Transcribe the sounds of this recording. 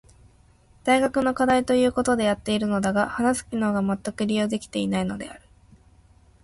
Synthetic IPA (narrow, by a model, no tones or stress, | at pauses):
d̪̥aiɡakɯ̟no̞kad̪ait̪o̞jɯ̟ːko̞t̪o̞d̪e̞jat̪ːe̞iɾɯ̟no̞d̪aɡahanasɨ̥kʲino̞ːɡamat̪ːakɯ̟ɾʲijo̞ːd̪e̞kʲi̥t̪e̞inaino̞d̪e̞̰aɾɯ̟̥